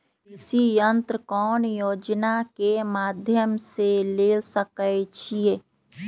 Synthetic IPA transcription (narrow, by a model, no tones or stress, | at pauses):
ɪsijənt̪ɾəkɔːnjoːd͡ʒnakemaːd̪ʱjəmseleːlsəkət͡ʃʰieː